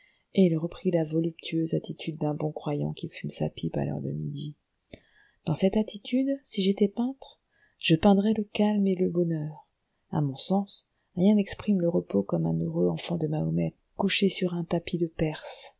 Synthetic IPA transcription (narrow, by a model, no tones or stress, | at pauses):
eilʁəpχilavɔlypt̪ʰyøzat̪it̪ʰyd̪ːɛ̃bɔ̃kχwajɑ̰̃kʲifymsa̰pʰipa̰lœ̰ʁd̪ə̰mid̪i | d̪̥ɑ̃sɛt̪at̪ʰit̪yd̪siʒet̪ɛpɛ̃t̪χ | ʒ̥əpɛ̃d̪ʁɛləkalmeləbɔnœːʁ | a̰mɔ̃sɑ̃s | ʁjɛ̃nɛkspχimləʁəpokɔmɛ̰̃nøʁøɑ̃fɑ̃d̪əmaɔmɛt̪ | kuʃesyʁɛ̃t̪apid̪əpɛʁs